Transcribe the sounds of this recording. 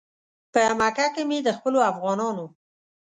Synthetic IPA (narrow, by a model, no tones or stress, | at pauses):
pəmakakemed̪əxpəloafɣɑnɑno